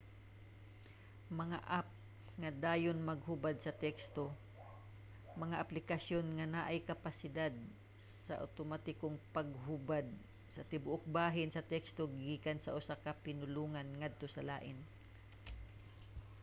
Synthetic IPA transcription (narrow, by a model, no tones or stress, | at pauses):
mɐŋaʔap̚ | ŋɐd̪aːjonmɐɡhubad̪̚sɐt̪ɛkst̪o | mɐŋaʔɐplɪkɐsjonŋanaʔajkɐpasɪd̪ad̪̚ | sɐʔa̰t̪omat̪ɪkoŋpɐɡɦʊbad̪̚ | sɐt̪ɪbʊʔok̚baːɦɪnsɐt̪ɛkst̪oɡiːkansɐʔʊsakɐpɪnʊluːŋanŋad̪̚t̪osɐlaːʔɪn